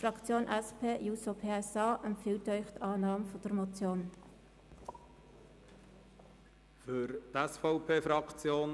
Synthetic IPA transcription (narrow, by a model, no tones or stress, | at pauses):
fɾɑkt͡sjoːnʔɛspʰeːjuːsopʰeːɛsɑːʔənfɪltœʏχtɑːnɑːmfɔd̥əɾmot͡sjoːn | fʏɾt̪ɛsfɔʊpʰeːfɾɑkt͡sjoːn